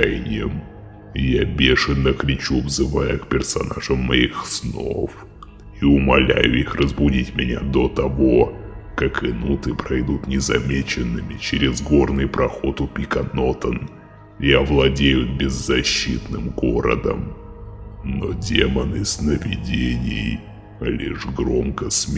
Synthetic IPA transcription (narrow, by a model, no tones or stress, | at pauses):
jnʲɪjəm | jabʲeʂɨnəkɾʲɪt͡ɕuvzɨvajʊkpʲɪrsɐnaʐəmːɐixsno̰f | iʊmɐlʲæjʊixrəzbʊdʲitʲmʲɪnʲad̪ot̪ɐvo̞kakɨnut̪ɨpɾɐjd̪ut̪nʲɪzɐmʲet͡ɕɪnːɨmʲɪt͡ɕeɾʲɪzɡo̞rnɨjpɾɐxo̞t̪ʊpʲikɐno̞t̪ən | javlˠɐdʲejʊbʲɪzːɐɕːit̪nɨmɡoɾə̰d̪ə̰m | nodʲemənɨsnəvʲɪdʲenʲɪj | lʲḭʐɡɾomkəsmʲ